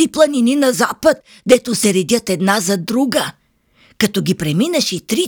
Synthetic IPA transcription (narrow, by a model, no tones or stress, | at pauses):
iplˠɐnininɐzapət̪̚ | d̪ɛt̪osɛɾɛd̪ʲjət̪ɛd̪nazɐd̪ɾuɡə | kɐt̪ɔɡʲipɾɛminɐʃit̪ɾi